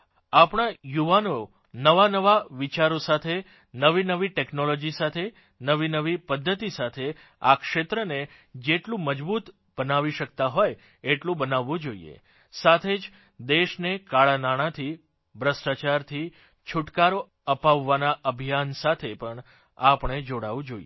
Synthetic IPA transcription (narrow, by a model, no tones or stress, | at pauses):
apɳ̃ajuʋano | nəʋanəʋaʋit͡ʃaɾosat̪ʰe | nəʋinəʋiʈeknolod͡ʒisat̪ʰe | nəʋinəʋipəd̪ʱːət̪isat̪ʰe | a̰kʃet̪ɾəned͡ʒeʈlũməd͡ʒbut̪ | b̥ənaʋiʃək̚t̪aɦoj | eʈlũbənaʋːũd͡ʒoḭḛ | sat̪ʰed͡ʒ | d̪eʃnekaɭanaɽ̃at̪ʰi | bʱɾəsʈat͡ʃaɾt̪ʰi | t͡ʃʰuʈkaɾo | əpaʋːanaʔəbʱijansat̪ʰepəɳ | apɳ̃ed͡ʒoɽaʋũd͡ʒoie